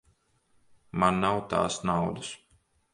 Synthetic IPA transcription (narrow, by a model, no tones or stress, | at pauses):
manːawt̪a̰ːsnawd̪us